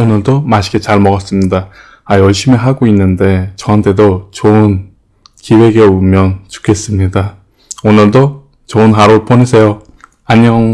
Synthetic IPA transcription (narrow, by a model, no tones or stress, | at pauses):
onɯɭdomaɕʰi̥ɡe̞t͡ɕaɭmʌɡʌs͈ɯmɲida | ajʌɭɕ͈imeɦaɡoinːɯnde̞t͡ɕʌɦantʰe̞dot͡ɕon | kiwe̞ɡe̞umjʌnt͡ɕu̥kʰe̞s͈ɯmɲida | onɯɭdo | t͡ɕounɦaɾopʰoɲisʰe̞jo | aɲʌŋ